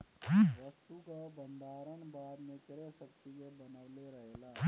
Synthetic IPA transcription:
ʋəst̪ukabə̃nd̪ʱaːɾəɳbaːd̪mẽkɾesək̚t̪ikebənəʋleɾəɦelaː

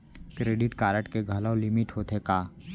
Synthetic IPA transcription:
kɾeːɖɪʈkaːɾəʈkeɡʱəlaolɪmɪʈɦoːt̪ekaː

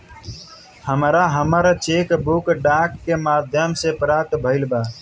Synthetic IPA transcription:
həmɾaɦəməɾt͡ʃeːkbukɖaːkːemaːd̪ʱjəmsepɾaːt̪bʱəɪlbaː

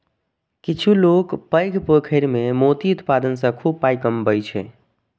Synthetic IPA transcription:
kit͡ʃʰulokpəjɡʱpəkʰəɪɾmemot̪iut̪pad̪ənsə̃kʰub̚pajkəmbəjt͡ʃʰɛ

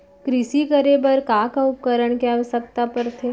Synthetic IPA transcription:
kɾɪʃikəɾebəɾkaːkaʊp̚kəɾəɽ̃kaɐʋəsək̚t̪apɐɾt̪ʰe

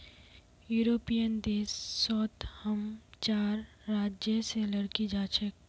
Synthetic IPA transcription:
juːɾoːpijənd̪eːsːɔːt̪həmt͡ʃaːɾː | aːd͡ʒjəseləɽkid͡ʒaːt͡ʃʰek

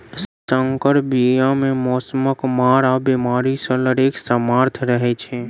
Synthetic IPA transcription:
səŋkəɾbijãmẽmɔːsəməkmaːɾabimaːɾisələɾeksəmaɾt̪ʰɾəɦet͡ʃʰe

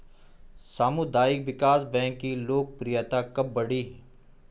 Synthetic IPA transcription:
saːmud̪aːɪkʋɪkaːsbɛ̃ːŋkːiloːk̚pɾijaːt̪akɐb̚ːɐɽiːɦ

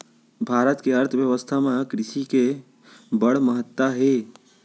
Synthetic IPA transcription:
bʱaɾət̪keəɾt̪ʰəbjəʋəst̪ʰamekɾiʃike | bəɽməɦət̪ːaɦe

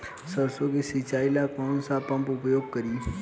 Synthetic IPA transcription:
səɾsokisit͡ʃaːilakɔːnsapə̃mpʊpjoːɡ̚kəɾiː

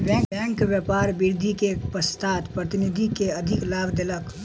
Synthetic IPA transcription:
bɛ̃ɛ̃ːŋkʋjəpaːɾbɪɾd̪ʱikepəst̪ʰaːt̪pɾət̪ɪnɪd̪ʱikeɐd̪ʱɪklaːbd̪ɪlək

